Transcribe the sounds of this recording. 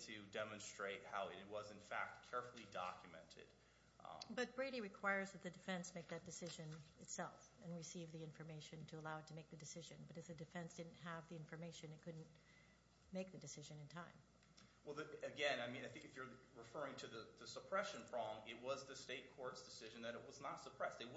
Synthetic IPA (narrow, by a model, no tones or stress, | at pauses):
tʰɨdɛmɨ̃nstɹ̥eɪt̚haʊɨ̰ɾɨt̚wʌzɨ̃nfæ̰k̚t̚kʰɛɹfl̩ˠidɑ̰kʰjɨmɛ̰̃ntʰɪ̰d̥ | bʌt̚b̥ɹeɪɾiɹɨkʰw̥aɪə˞zðɨt̪̚ðɨdɨfɛ̃nsmeɪk̚ðɨt̚d̥ɨsɪʒɨ̃nɨtsɛlˠfɨ̃nɹɨsivðiɪ̃ɱfə˞meɪʃɨ̃ntʰɨəlaʊətʰɨmeɪk̚ðɨdɨsɪʒɨ̃nbʌɾɨfðɨdɨfɛ̃nsd̥ɪdⁿn̩t̚ɦəvðiɪ̃ɱfə˞meɪʃɨ̃nɨt̚kʰʊdⁿn̩ | meɪk̚ðɨdɨsɪʒɨ̃nɨ̃ntʰãɪ̃m | wɛlˠðɨɨɡɛ̃naɪmĩnaɪθɪ̃ŋkɨfjə˞ɹɨfɜ˞ɪ̃ŋtʰɨðɨðɨsəpʰɹ̥ɛʃɨ̃npʰɹ̥ɑblə̃mɪt̚wʌzðɨsteɪt̚kʰɔɹtsd̥ɨsɪʒɨ̃n̩ðɨɾɨʔ̚wʌznətsəpʰɹ̥ɛseɪw